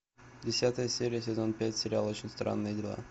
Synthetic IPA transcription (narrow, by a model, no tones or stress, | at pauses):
dʲɪsʲat̪əjəsʲeɾʲɪjəs̬ʲɪzo̞npʲætʲsʲɪɾʲɪalˠot͡ɕɪnʲst̪ɾa̰nːɨjədʲɪlˠa̰